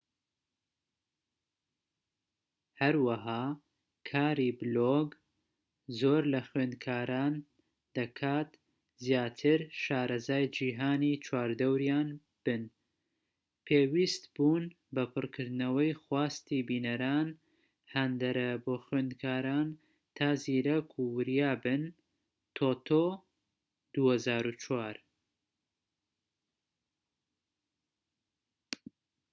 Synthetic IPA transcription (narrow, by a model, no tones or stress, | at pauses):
hɐɾwɐɦaː | kʰaːɾiːbɨloɡ | zoːɾlɐxweːnd̪̚kʰaːɾaːn | d̪̥ɐkʰaːt̪ | zjaːt̪ʰɨɾʃaːɾɐzaːjd͡ʒiːɦaːnit͡ʃʰwaːɾd̪ɐwɾijaːn | b̥ɨn | pʰeːwist̪buːn | bɐpʰɨrkʰɨɾd̪nɐwɐjxwaːst̪ibiːnɐɾaːn | hɐnd̪ɐɾɐboːxweːnd̪kʰaːɾaːn | t̪ʰaːziːɾɐkʰuwɨɾjaːbɨn | t̪ʰot̪ʰoː | d̪̥uːhɐzaːɾut͡ʃʰwaːɾ